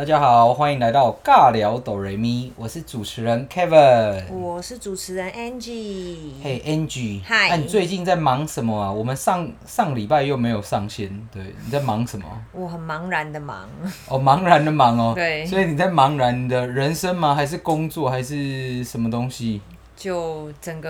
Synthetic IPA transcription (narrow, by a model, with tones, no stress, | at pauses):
t̪a˥˩t͡ɕja˦xɑ˨˩ʊʊxwa˥ni˧˩ŋla˧˦ɪt̪ɑ˥˧ʊka˥˨ljɑ˧˦˥ʊt̪o˨˩ʊɹe˨˧˦ɪmi˥wɔ˨˩ʂɻ̩˥˩ʈ͡ʂu˨˩ʈ͡ʂʰɻ̩˧˥ɻə˧˦nkʰɛ˦˥və˨nwɔ˨˩ʂɻ̩˥˩ʈ͡ʂu˨˩ʈ͡ʂʰɻ̩˧˥ɻə˧˦nʔɛ˥nd͡ʒi˥˩e˥˩ɪʔɛ˦˥nt͡ɕy˨˩˥a˥˨ni˨˩t͡swe˥˧ɪt͡ɕi˥˧nt͡sa˥˩ɪmɑ˨˥ŋʂə˨˦nmə˨˩ɐ˨˩wɔ˨˩mə˨˦nʂɑ˥˨ŋ | ʂɑ˥˩ŋli˨˩pa˥˧ɪjo˥˩ʊme˧˥ɪjo˨˩ʊʂɑ˥˨˩ŋɕjɛ˦˥nt̪we˥˩ɪni˨˩t͡sa˥˩ɪmɑ˨˥ŋʂə˨˦nmə̰˨˩wɔ˨˩ɦə˨˩nmɑ˧˥ŋɻa˧˦nd̪ə˨˧mɑ̰˨˦ŋʔɔ˨˩mɑ˧˥ŋɻa˧˦nd̪ə˨mɑ˨˥ŋɔ˨t̪we˥˩ɪswɔ˧˥i˨ni˨˩t͡sa˥˩ɪmɑ˨˧˥ŋɻa˧˦nd̪ə˧ɻə˧˦nʂə˦˥nma˧xa˧˥ɪʂ̬ɻ̩˥˨kʊ˦ŋt͡swɔ˥˨xa˧˥ɪʂɻ̩˥˨ʂə˧˦nmə˧t̪ʊ˦˥ŋɕi˦ | t͡ɕjo˥˩ʊʊt͡sə˨˩ŋɡə˧